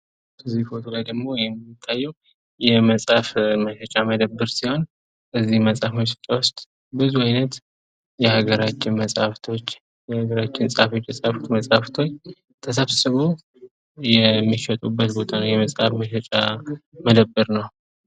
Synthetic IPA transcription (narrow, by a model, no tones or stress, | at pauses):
kʰəzifot̪ʰolajd̪əɡmo̞jɛmɪt̪ʰːajːɛw | jɛməsʼafməʃɛt͡ʃʼaməd̪əbːɨɾsiho̞n | kəzːihməsʼafməʃɛ̥t͡ʃʼawʊst̪ʼ | bɨzuajnət̪ | jɛhaɡəɾat͡ʃːɪnməsʼaft̪ʰo̞t͡ʃː | jɛhaɡəɾat͡ʃːɪnsʼafo̞t͡ʃːjɛsʼaft̪ʰməsʼaft̪ʰo̞t͡ʃː | t̪ʰəs̬aβsɨβo | jɛmːiʃət̪ʼubːət̪bo̞t̪ʰanəwjɛməsʼhafməʃɛt͡ʃʼaməd̪əbːɨɾnəw